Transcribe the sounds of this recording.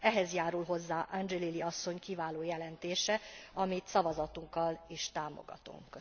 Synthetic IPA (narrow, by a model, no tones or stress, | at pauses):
ɛɦɛzjaːɾulɦo̞zːaːʔand͡ʒɛliliɒsːo̞ɲkivaːloːjɛlɛnt̪eːʃɛɒmit̪sɒvɒzɒt̪uŋkːɒliʃt̪aːmo̰ɡɒ̰t̪ṵŋkːø